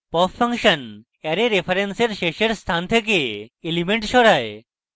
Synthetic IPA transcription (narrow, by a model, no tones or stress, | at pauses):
pɔpʰːəŋkʃən | ɛɾeɾepʰaɾenseɾʃeʃeɾst̪ʰant̪ʰek̬eelimeɳʈʃɔɽae